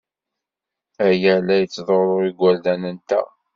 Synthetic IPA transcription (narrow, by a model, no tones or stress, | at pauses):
æjəlæjət͡sːðˤoɾˤoiɡʷːæld̪ænənt̪æ̰